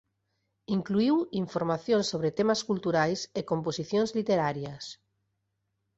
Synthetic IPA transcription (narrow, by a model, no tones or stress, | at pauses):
iŋkluiwiɱfoɾmaθjõnsoβ̞ɾet̪emaskult̪uɾajsekomposiθjõnzlit̪eɾaɾjas